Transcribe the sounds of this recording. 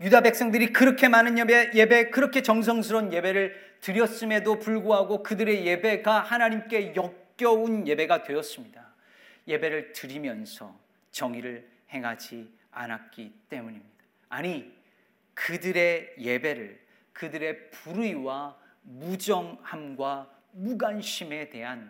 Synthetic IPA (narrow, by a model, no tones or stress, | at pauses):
judabe̞k̚s͈ʌŋdɯɾikɯɾʌkʰe̞manɯnjbeje̞be̞kɯɾʌkʰe̞t͡ɕʌŋs̬ʰʌŋs̬ʰɯɾʌnje̞be̞ɾɯɭ | tɯɾjʌs͈ɯme̞dopuɭɡoɦaɡokɯdɯɾe̞je̞be̞ɡahanaɲimk͈e̞jʌk̚k͈jʌunje̞be̞ɡadwe̞ʌs͈ɯmɲida | je̞be̞ɾɯɭtɯɾimjʌnsʰʌ̰ | t͡ɕʌŋiɾɯɭ | he̞ŋɦad͡ʑi | a̰nak̚k͈it͈e̞muɲimɲid̥aː | ɲi | kɯdɯɾe̞je̞be̞ɾɯɭ | kɯdɯɾe̞puɾiwa | mud͡ʑʌŋhamɡwa | muɡanɕʰime̞te̞ɦan